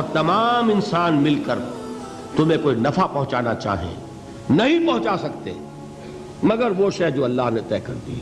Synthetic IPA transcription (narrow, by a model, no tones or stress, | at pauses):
ɐk̚t̪ɐmaːmɪ̃nsaːnmɪlkəɾ | t̪ʊm̤ẽkoːinɐfapɐ̃ɦʊ̃t͡ʃaːnat͡ʃa̰ːɦḛ̃ː | nɐɦĩpɐɦʊ̃t͡ʃasɐkt̪ḛ | mɐɡəɾʋoːʃɛɦd͡ʒoːɐlːaːɦnet̪ɛːkɐɾd̪ḭ